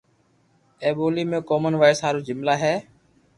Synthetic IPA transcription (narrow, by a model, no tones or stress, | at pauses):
ẽːɓoːliːmẽːkoːmənʋaːɪsɦaːɾuːd͡ʒɪmlaːɦɛː